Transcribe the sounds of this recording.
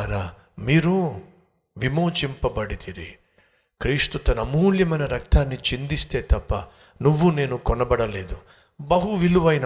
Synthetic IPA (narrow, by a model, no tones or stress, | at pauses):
ɾaː | miːɾu | ʋimoːt͡ʃimpɐbɐɽit̪iɾi | kɾiːʂt̪ut̪ɐnɐmuːljɐmɐjnɐɾɐk̚t̪ʰaːnːit͡ʃind̪ist̪e̞ːt̪ɐpːɐ | nuʋːune̞ːnukɔnɐbɐɽɐle̞ːd̪u | bɐɦuʋiluʋɐjnɐ